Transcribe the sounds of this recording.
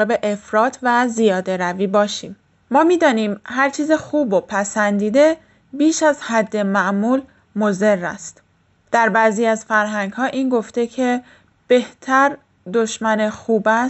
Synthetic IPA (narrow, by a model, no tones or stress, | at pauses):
ebe̞ʔefɾɒːt̪ʰvæzijɒːd̪e̞ɾæviːbɒːʃiːm | mɒːmiːd̪ɒːniːmhæɾt͡ʃʰiːzixuːbo̞pʰæsænd̪iːd̪e̞ | biːʃæzhæd̪ːe̞mæʔmuːl | moze̞rːæ̰st̪ | d̪̥æɾbæːziːæzfæɾɦæŋɡhɒːʔiːnɡo̞ft̪e̞cʰe̞ | b̥e̞ht̪ʰæɾ | d̪o̞ʃmænexuːbæ